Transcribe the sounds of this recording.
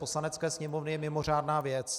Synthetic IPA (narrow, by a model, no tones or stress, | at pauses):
poslanɛt͡skɛːsɲɛmovnɪjɛmɪmo̞r̝aːdnaːvjɛt͡s